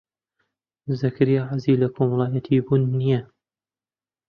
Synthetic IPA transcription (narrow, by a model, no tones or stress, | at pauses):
zɨkʰɾijaʕazilɐkʰoːmɐlˠɑːjɐt̪ʰibunːijɐ